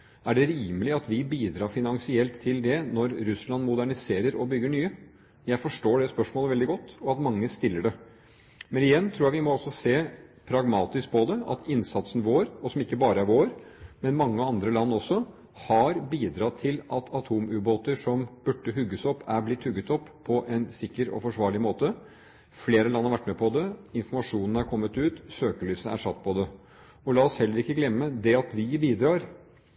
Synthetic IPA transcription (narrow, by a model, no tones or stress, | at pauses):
æɖɛɾiːməlɪɑt̪ʋɪbiːd̪ɾɑːfɪnɑŋsɪɛlt̪ʰːɪld̪ɛnɔɾːʉslɑnmʊd̪æɳɪseːɾəɾɔbʏɡːəɳyːə | jæɪfɔʂʈoːɖɛspœʂmoːləʋɛld̪ɪɡɔt̪ːɔɑt̪mɑŋːəst̪ɪlːəɖɛ | mɛnɪjɛnːt̪ʰɾuːjæʋɪmɔɔsːɔseːpʰɾɑɡmɑːt̪ɪsk̚pʰɔd̪ɛɑ̰t̪ʰɪnsɑt̪sn̩ʋoːɾɔsɔmɪkːəbɑːɾəæɾʋoːɾmɛnmɑŋːəɑnd̪ɾəlɑnːɔsːɔ | hɑɾbiːd̪ɾɑt̪ʰɪlʔɑt̪ʰɑt̪ʰuːmʉːboːt̪əʂɔmb̥ʉʈːəɦʉɡːəsɔpːæɾblɪt̪hʉɡːət̪ɔpːpʰːɔʔɛnsɪkːəɾɔ̰fɔʂʋɑːɭɪmoːt̪ə | fleːɾəlɑnːhɑɾʋæʈːmɛpʰɔd̪ɛɪnfɔmɑʂuːnn̩hɑɾkʰɔmːət̪ʉːt̪søːkəlyːsəæ̰ɾʂɑt̪ːpʰɔd̪ɛ | ɔlɑːɔshɛlːəɾɪkːəɡlɛmːəd̪ɛɑt̪ʋɪbiːd̪ɾɑːɾ